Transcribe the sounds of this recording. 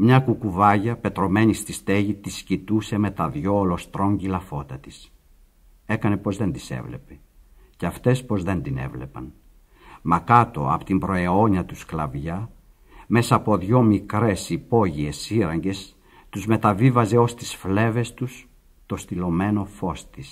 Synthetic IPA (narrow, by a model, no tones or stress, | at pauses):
mɲɐkukuvɐʝɐpe̞t̪ɾo̞me̞ɲist̪ist̪e̞ʝit̪iscit̪useme̞t̪ɐðʝo̞ːlo̞st̪ɾo̞ɲɟilɐfo̞t̪ɐt̪i̥s | e̞kɐne̞po̞zðe̞nd̪ise̞̰vle̞̰pe | ceɐft̪e̞spo̞zðe̞nd̪ine̞̰vle̞̰pɐ̰n | mɐkɐt̪o̞̰ɐ̰po̥t̪imbɾo̞e̞o̞ɲɐt̪usklɐvʝɐ | me̞sɐːpo̞ðʝo̞mikɾe̞sipo̞ʝie̞siɾɐɲɟe̞s | t̪uzme̞t̪ɐvivɐze̞o̞st̪isfle̞ve̞st̪us | t̪o̞st̪ilo̞me̞no̞fo̞st̪is